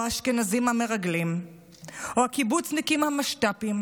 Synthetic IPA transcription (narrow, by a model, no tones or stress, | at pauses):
aʃkenazimhame̞ʁaɡlim | ohakibut͡snikimhamaʃtapim